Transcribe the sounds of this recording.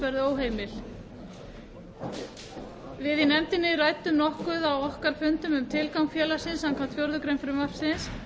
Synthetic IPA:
vɛɾðʏoːwɦeːjmɪl | vɪðinɛmt̪ɪnːɪraːjt̪ʏmnɔhkʏðawɔhkaɾ̥fʏnt̪ʏmʏmt̪ʰɪlkawŋkfjɛːlḁsɪnshankʰamt̪fjowɾðʏkɾejmfɾʏmapsɪns

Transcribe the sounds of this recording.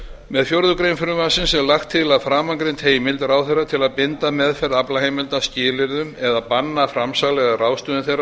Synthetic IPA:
mɛðfjoɾðʏkɾejmfʏɾʏmasɪnsɛɾlaxt̪ʰːɪlaðfɾaːmaŋkɾejnt̪heːjmɪlt̪raːwθejrːat̪ʰɪlaðpɪnt̪amɛðfɛɾðaplaheːjmɪlt̪ascɪːlɪɾðʏmɛðapanːafɾamsaɣlɛɣaraːwst̪ʏðɪnθejr

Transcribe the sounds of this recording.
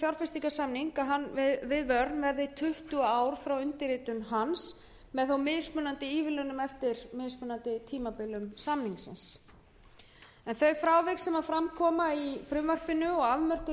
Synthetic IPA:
fjawɾ̥fɪst̪ikasamniŋkaðɦanːvɪðvœɾt̪nvɛɾðɪt̪ʰʏht̪uaaːwɾ̥fɾawʏnt̪ɪɾiːt̪ʏnɦans | mɛðθawmɪðspœːnant̪ɪiːvɪlɛnʏmɛft̪ɪɾ̥mɪðspœːnant̪ɪt̪ʰiːmapɪlːʏmsamniŋsɪ̰ns | ɛnθœɥfɾaːwvɪksɛmaðfɾamkʰɔːmaifɾʏmvœr̥pɪnʏɔɣavmœr̥kʏ

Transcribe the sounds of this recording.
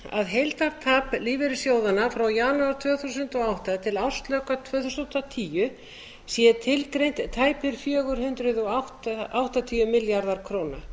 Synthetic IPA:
a̰ðɦejlt̪aɾt̪ʰaːpliːvɪɾɪ̥sjoːwðanafɾawjaːnuaɾ̥t̪ʰvœːθusʏnt̪ɔɣawht̪at̪ʰɪlaw̥st̪lœkat̪ʰvœːθusowht̪ːat̪ʰiːjʏ | sjɛt̪ʰɪlkɾejn̥t̪t̪ʰːaːjpʏɾ̥fjœːɣʏɾhʏnt̪ɾʏðɔawht̪aawht̪at̪ʰiːjʏmɪljaɾðaɾ̥kʰɾoːwna

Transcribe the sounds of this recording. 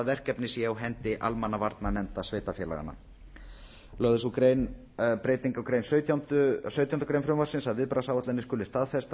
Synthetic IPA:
vɛr̥cɛpnɪsjɛawɦɛnt̪ɪʔa̰lmanːavaɾt̪nanɛnt̪asveːt̪afjɛːla̰ɣa̰nːa̰ | lœðʏsukɾejn | pɾeːjt̪iŋkawkɾejnsœt̪ant̪ʏsœɥjt̪jawnt̪kɾejnfɾʏmvasɪnsaðvɪðpɾasawat̪ɛnɪskʏːlɪst̪aːðfɛst̪

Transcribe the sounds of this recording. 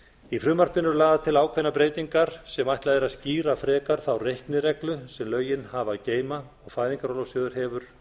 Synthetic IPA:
ifɾʏːmar̥t̪ɪnʏɾlaːðat̪ʰɪlaːwkʰɛjnapɾeːjt̪iŋkaɾ̥sɛmajht̪lajðɛɾaðsciːɾafɾɛːkaɾ̥θawrejhknɪɾɛklʏsɛmlœːɥjɪnhavaceːjma | ɔɣfaːjðiŋkaɾɔlɔwsjœːðʏɾ̥hɛːvʏɾ̥

